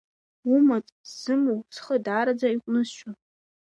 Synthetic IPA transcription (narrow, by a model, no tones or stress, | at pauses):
umatʼz̥ɨmowt͡sʰχədaːɾad͡zaiqʷʼnɨzʃa